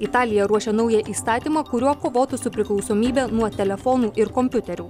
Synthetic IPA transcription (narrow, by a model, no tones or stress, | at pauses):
ɪt̪ɑːlʲɪjɛɾuɔʃʲɛnɔʊjɛʔiːst̪ɑːt̪ʲiːmɑkʊɾʲuɔkoːʋoːt̪ʊsʊpʲɾʲɪklˠɒʊsoːmʲiːbʲɛnuɔt̪ʲɛlʲɛfɔːnuːʔɪɾkɔmʲpʲʊt̪ʲɛɾʲuː